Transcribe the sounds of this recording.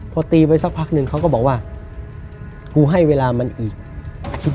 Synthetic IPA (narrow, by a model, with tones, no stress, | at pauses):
pʰɔː˧t̪iː˧pa˧jsa˧˥k̚pʰa˦˥k̚nɯ˨˧˩ŋkʰa˦˥wkɔː˥˩bɔː˨˩k̚waː˥˩ | kuː˧ɦa˥˩jweː˧laː˧ma˧nʔiː˨˩k̚ʔa˧t̪ʰi˦˥